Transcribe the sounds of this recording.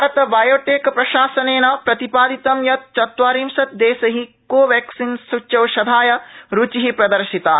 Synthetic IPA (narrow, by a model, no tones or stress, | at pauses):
bʱɾɐt̪ɐbɐjoːʈeːkpɾɐʃaːsɐneːnɐpɾɐt̪ipaːd̪it̪ɐmjɐt̪̚t͡ʃɐt̪ʋaːɾiːmʃɐt̪̚d̪eːsɐɦikoːʋaːksinsut͡ʃt͡ʃɐwʃɐd̪ʱaːjɐɾut͡ʃiɦipɾɐd̪ɐɾʃit̪aː